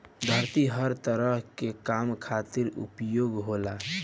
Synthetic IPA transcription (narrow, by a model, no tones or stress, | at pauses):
d̪ʱəɾt̪iɦəɾt̪əɾəɦkekamkʰat̪iɾṵpjoɡɦola